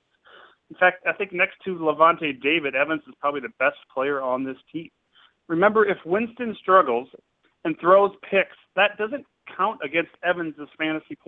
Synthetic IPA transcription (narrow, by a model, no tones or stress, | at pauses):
n̩fæk̚taɪθɪ̃ŋk̚nɛkstʰɨləvɑ̃nteɪdeɪvɨɾɛvɨ̃nzɨz̥pʰɹ̥ɑbəbliðɨbɛspʰl̥eɪə˞ə̃nðɪstʰĩm | ɹɨmɛ̃mbə˞ɨfwɪ̃nstɨ̃nstɹ̥ʌɡl̩ˠz | ɨ̃nθɹoʊz̥pʰɪksðɨt̚d̥ʌzɨ̃n | kʰãʊ̃ntɨɡɛ̃nstɛvɨ̃nzɨz̥fæ̃ɾ̃ɨsipʰ